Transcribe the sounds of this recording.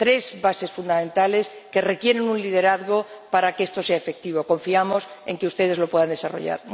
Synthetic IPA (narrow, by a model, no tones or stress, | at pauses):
t̪ɾe̞zβase̞sfund̪amẽnt̪ale̞ske̞re̞kje̞ɾe̞nũnlið̞e̞ɾaðɣo̞paɾakest̪o̞se̞aefe̞k̚t̪iβo̞ko̞ɱfiamo̞se̞̰ŋkeust̪e̞ð̞e̞zlo̞pwe̞ðand̪e̞saro̞̰ʝa̰ɾ